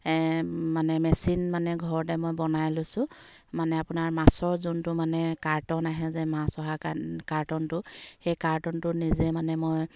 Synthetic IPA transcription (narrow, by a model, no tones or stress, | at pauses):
manɛmɛsinmanɛɡʱɔɹɔtɛmojbɔnajlosʊ̃ | manɛapʊnaɹmasɔɹzʊntʊmanɛkaɹtɔnaɦɛzɛmãsɔɦakaɹtɔntʊxejkaɹtɔntʊnizɛmanɛmoj